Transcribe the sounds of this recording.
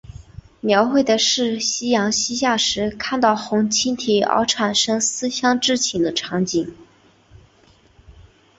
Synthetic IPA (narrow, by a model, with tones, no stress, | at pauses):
mjɑ˧˥ʊxwe˥˩ɪd̪ə˩ʂɻ̩˥˩ɕi˥jɑ˧˥ŋɕi˥ɕja˥˩ʂɻ̩˧˥kʰa˥˧nt̪ɑ˥˩ʊxʊ˧˥ŋt͡ɕʰi˥nt̪ʰi˨˧˩ɑ̰˧˥ʊʈ͡ʂʰa˨˩nʂɤ˥ŋsɹ̩˥ɕjɑ˥ŋʈ͡ʂɻ̩˥˩t͡ɕʰi˧˥nd̪ə˧ʈ͡ʂʰɑ˧˥ŋt͡ɕi˨˩˦ŋ